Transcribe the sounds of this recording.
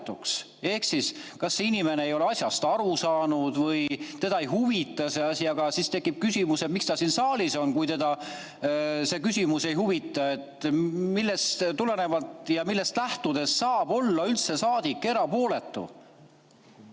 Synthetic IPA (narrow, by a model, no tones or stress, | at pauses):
t̪ːˑuks | e̞hksiskɑsːeinime̞neejo̞le̞ɑsʲjɑst̪ɑɾusɑːnud̪̥vɤjt̪e̞d̪̥ɑejɦuvit̪ːˑɑse̞ɑsʲiɑɡɑsist̪e̞kːˑip̚kysʲimuse̞t̪mikst̪ɑsinsɑːliso̞nkujt̪e̞d̪̥ɑ | se̞kysʲimuse̞jɦuvit̪ːˑɑe̞t̪milːest̪t̪ule̞ne̞vɑlt̪jɑmilːe̞st̪læht̪ud̪̥e̞sːɑːb̥o̞lːɑylt̪se̞sɑːd̪̥ikˑːe̞ɾɑpo̞ːle̞t̪ˑːṵ